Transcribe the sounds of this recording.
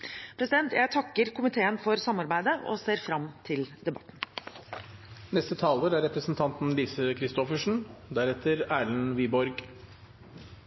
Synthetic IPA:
pʰɾɛsɪd̪ɛnt̪jæɪt̪ʰɑkːəɾkʰʊmɪt̪ʰeːənfɔɾsɑmːɑɾbæɪd̪əʔɔ̰seːɾfɾɑmt̪ʰɪld̪ɛbɑt̪ːn̩ | nɛst̪ət̪ʰɑːləɾæɾɛpɾəsn̩t̪ʰɑnt̪nliːsəkʰɾɪst̪ɔfəʂɳ̩d̪æɾɛt̪ʰəɾæːɭnʋiːbɔɾɡ

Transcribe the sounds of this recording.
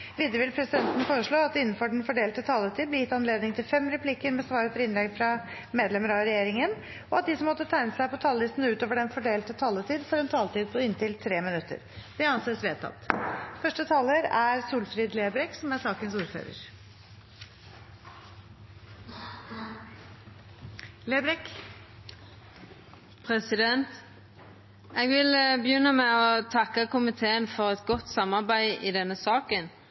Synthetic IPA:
ʋiːd̪ɾəʋɪlpʰɾɛsɪd̪ɛnt̪ənfoːɾəʂɭoːɑt̪̚d̪ɪnːnfɔɖɛɳ̩fɔɖeːlt̪ət̪ʰɑːlət̪ʰiːd̪blɛjɪt̪ːɑnleːd̪nɪŋt̪ʰɪlfɛmɾɛpʰliːkəɾmɛsʋɑːɾəp̪ʰɔɾɪnlɛɡfɾɑ | meːd̪lɛməɾɑɾɛjeːɾɪŋən | ɔɑt̪̚d̪ɪsɔmːɔt̪ːət̪ʰæɪnəsæɪpɔt̪ʰɑlːɪst̪n̩ʉːt̪oːʋəɖɛnfɔɖeːlt̪ət̪ʰɑːlət̪ʰiːd̪fɔɾɛnt̪ʰɑːlt̪iːd̪̚pʰɔɪnt̪ɪlt̪ʰɾeːmɪnʉt̪ːə̰ɾd̪̥ɛɑnseːsʋeːt̪ʰːɑ̰t̪ːfœʂʈət̪ʰɑːləɾæɾsuːlfɾiːd̪leːbɾɛksɔmæsɑːkənsuːɾfø̰ːɾə̰ɾ | leːbɾɛk | pʰʁɛsɪd̪ɛnt̪ | ɛɡʋɪlbəjʉnːəmɛɔt̪ʰɑkːəkʊmɪt̪ʰeːənfɔʁɛt̪ɡɔt̪ːsɑmːɑɾbæɪɪd̪ɛnːəsɑːkən

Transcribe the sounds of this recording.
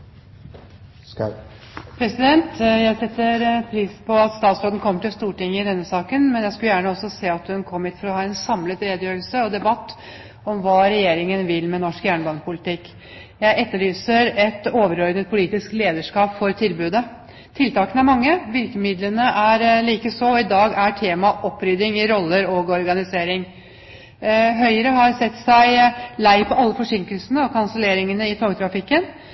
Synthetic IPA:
pʰɾɛsɪd̪ɛnt̪jæɪsɛt̪ːəɾpʰɾiːspʰɔɑt̪st̪ɑːt̪sɾoːd̪n̩kʰɔmːəʈɪlst̪uːʈɪŋːəɪd̪ɛnːəsɑːkənmɛnjæɪskʉjæːɳəɔsːɔseːɑt̪hʉnkʰɔmːɪːt̪fɔɾɔhɑːɛnsɑmlət̪ɾeːd̪əjøːɾəlsəɔd̪ɛbɑt̪ː | ɔmʋɑːɾɛjeːɾɪŋənʋɪlmɛnɔʂkjæːɳəbɑːnəpʊlɪt̪ɪkː | jæɪʔɛt̪ːəɭyːsəɾɛt̪oːʋəɾɔɾd̪nət̪̚pʰʊliːt̪ɪskleːd̪əʂkɑːpfɔɾt̪ʰɪlbʉːd̪ə | t̪ʰɪlt̪ɑːkənəæɾmɑŋːəʋɪɾkəmɪd̪lənəʔæɾliːkəsɔɪd̪ɑːɡæʈʰeːmɑʔɔpːɾʏd̪ɪŋɪɾɔlːəɾoːɡɔɾɡɑnɪseːɾɪŋ | ɦœʏəɾəɦɑɾsɛt̪ːsæɪlæɪpʰɔɑlːəfɔʂʏŋkəlsənəɔkʰɑnsəleːɾɪŋənəɪt̪ʰoːɡt̪ʰɾɑfɪkːən

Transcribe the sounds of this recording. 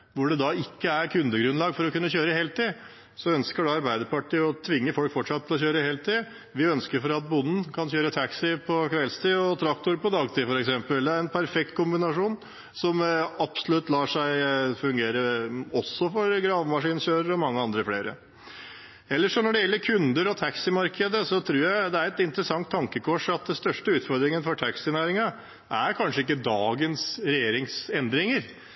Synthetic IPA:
ʋʊɖɛd̪ɑɪkːəæɾkʰʉnd̪əɡɾʉnlɑːɡfɔɾɔkʉnːəçøːɾəheːlt̪iː | sɔœnskəɖɑɑɾbæɪd̪əɾpɑʈiːɔt̪ʰʋɪŋːəfɔlkfɔʈʂɑt̪ʰːɪlɔɕçøːɾəheːlt̪iː | ʋɪœnskəɾfɔɾɑt̪̚bʊnːn̩kʰɑnçøːɾət̪ʰæksɪpʰɔkʋɛlst̪ʰɪɔt̪ʰɾɑkt̪ʊɾpɔd̪ɑːɡt̪ʰiːfɔɾɛksɛmpəld̪ɛæɾɛnpʰæɾfɛk̚t̪̚kʊmbɪnɑʂuːn | sɔmɑpsɔlʉt̪ːlɑːʂæɪfʉŋɡeːɾəɔsːɔfɔɾɡɾɑːʋmɑʂiːnɕøːɾəɾɔmɑŋːəɑnd̪ɾəfleːɾə̰ | ɛlːəʂɔnɔɖɛjɛlːəɾkʰʉnd̪əɾɔt̪ʰæksɪmɑɾkʰəd̪əsɔt̪ʰɾuːɾjæɪd̪ɛæɾɛt̪ɪnt̪əɾəsɑŋt̪ʰːɑŋkəkʰɔʂɑt̪̚d̪ɛnst̪œʂʈəʉːt̪fɔɾd̪ɾɪŋənfɔʈʰæksɪnæːɾɪŋɑ | ʔæɾkʰɑnʂəɪkːəd̪ɑːɡənsɾɛjeːɾɪŋsɛnd̪ɾɪŋəɾ

